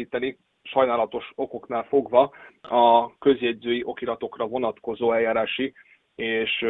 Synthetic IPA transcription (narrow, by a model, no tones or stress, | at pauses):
iːt̪ɛni | ʃɒjnaːlɒt̪o̞ʃo̞ko̞knaːlfo̞ɡvɒɒkø̞zjɛd̪zøːjiʔo̞kilɒt̪o̞krɒvo̞nɒt̪ko̞zoːɛjaːɾaːʃi | eːʃ